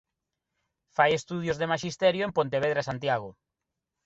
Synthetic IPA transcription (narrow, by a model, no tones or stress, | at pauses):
fajest̪uð̞jozðemaʃist̪ɛɾjoempõnt̪eβeðɾasant̪jaɣo